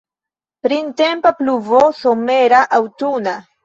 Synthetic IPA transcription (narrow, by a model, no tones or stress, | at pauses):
pɾinte̞mpapluvosome̞ɾaʔawtuna